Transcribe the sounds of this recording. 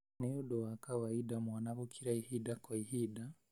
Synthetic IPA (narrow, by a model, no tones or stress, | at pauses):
neudɔwakawaidamwanaβokʰiɾaihidakɔihida